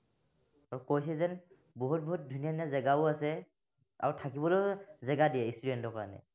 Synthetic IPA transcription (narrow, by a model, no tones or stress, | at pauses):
aɹukojsɛzɛn | boɦut̚boɦut̚dʱunijanazɛɡaʊasɛ | a̰ɹutʰakibɔlojzɛɡadiɛistudɛntɔka̰anɛ̰